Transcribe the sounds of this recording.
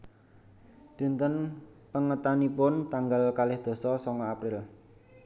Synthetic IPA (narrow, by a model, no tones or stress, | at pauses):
d̪̥i̤nt̪ənpəŋət̪anipʊnt̪aŋɡalkalɪhd̪̥o̤sɔsɔŋɔapɾɪl